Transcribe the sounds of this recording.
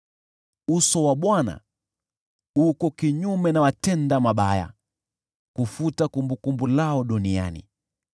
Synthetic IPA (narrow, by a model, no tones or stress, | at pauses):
usɔwaɓwana̰ | ukɔkiɲumɛnawatɛndamaɓaja̰ | kufutakumbukumbulaɔɗunia̰nḭ